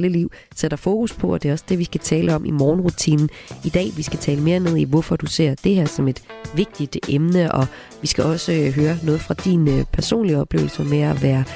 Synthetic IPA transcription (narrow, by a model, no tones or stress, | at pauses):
ləliʊ̰ | seɾ̥ɐfo̝ːkʰuspʰɒ̽ɒ̽d̥e̝ɒ̽səd̥e̝ʋisɡ̥æt͡sʰɛːlʔəɒ̽mʔimɒːnʁut͡sʰḭːnn̩id̥ɛ̰ːʋisɡ̥æt͡sʰɛːləme̝ːɐne̝ð̞̰ˠiʋɔfɒ̽d̥use̝ɐ̰d̥e̝ɦæɐ̰sɒ̽me̝d̥ʋe̝ɡ̥̚d̥id̥emnəʔɒ̽ | ʋisɡ̥æʔɒ̽səɦøːɐnɔ̽ːð̞̩ˠfʁɑ̈d̥inpʰæɐso̝̰ːnliɒ̽b̥le̝ːʊl̩sɐmeæʋæːɐ